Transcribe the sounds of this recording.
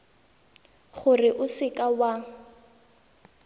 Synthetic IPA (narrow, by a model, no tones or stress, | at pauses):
χʊrɪʔʊsɪkʼawa